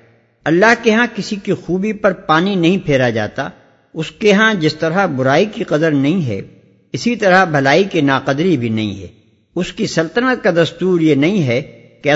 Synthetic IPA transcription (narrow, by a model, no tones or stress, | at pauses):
ɐlːaːɦkeɦãkɪsikixuːbipɐɾpaːninɐɦĩpʰeːɾad͡ʒa̰ːt̪a̰ | ʊskeɦãd͡ʒɪst̪ɐɾabʊɾaːikiqɐd̪əɾnɐɦĩɦɛ̰ | ɪsit̪ɐɾabʱɐlaːikinaːqɐd̪ɾibʱinɐ̰ɦḭ̃ɦɛ̰ː | ʊskisɐlt̪ənət̪̚kad̪ɐst̪uːɾjenɐɦĩɦɛ | keɐ